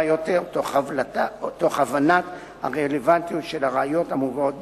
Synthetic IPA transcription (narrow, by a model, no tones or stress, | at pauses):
joteʁtoχavlatat̪o̞χavanat̪ | ha̰ʁelevant̪ijot̪ʃe̞laʁeajo̞thamuvao̞t̚b